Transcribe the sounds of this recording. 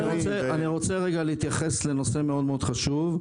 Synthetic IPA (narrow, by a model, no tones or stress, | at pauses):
niʁot͡seanniʁo̞t͡seʁeɡaleit̪jaχe̞sle̞no̞se̞meo̞d̪meo̞d̪χaʃuv